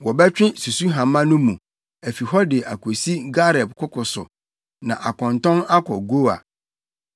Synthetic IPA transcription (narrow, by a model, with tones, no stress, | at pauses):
wɔ˨bɛ˦t͡ɕᶣɪ̃˦su˨su˦ɦã˨mã˦nʊ̃˦mũ˨ | æ˨fi˨ɦɔ˦dɪ˨ʔa˨kʰo˨si˦ɡa˦ɾɛ˨bkʰʊ˦kʰʊ˨sʊ̰˨ | nã˨ʔa˨kɔ̃˨ntɔ̃˦na˦kʰɔ˨ɡo˦a̰˨